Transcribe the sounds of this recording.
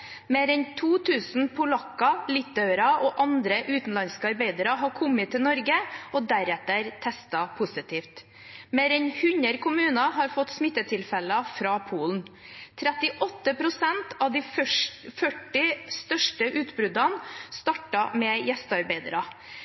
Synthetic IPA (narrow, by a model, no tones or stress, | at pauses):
meːɾɛnt̪ʰuːt̪ʰʉːsn̩pʰʊlɑkːɑlɪt̪œʉɾɑʔoːʔɑnd̪ɾəʔʉːt̪n̩lɑnskəɑɾbeɪd̪əɾɑɦɑɾkʰɔmːət̪ʰːɪlnɔɾɡəʔod̪æɾɛt̪əɾt̪ʰɛst̪ɑpʰʊsɪt̪iːft̪ | meːɾɛnhʉnəɾkʰʊmʉːnɑɦɑɾfɔt̪ːsmɪt̪ːət̪ʰɪlfɛləɑfɾɑːpʰuːln̩t̪ʰɾɛt̪ɪʔɔt̪ːəpɾʊsɛnt̪ɑd̪iːfœʈːɪst̪œʂʈəʔʉːt̪bɾʉd̪ɑnst̪ɑʈɑmɛjɛst̪əɑɾbeɪd̪əɾɑ